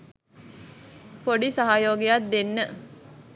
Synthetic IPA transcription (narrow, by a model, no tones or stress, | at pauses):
poɖisaɦajoːɡejat̪̚d̪enːə